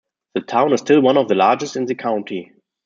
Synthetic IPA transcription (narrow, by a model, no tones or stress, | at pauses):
ðətʰãʊ̃nɨzsstɪlwãnɔvðəlaːd͡ʒəstɪ̃nðəkʰãʊ̃ntʰi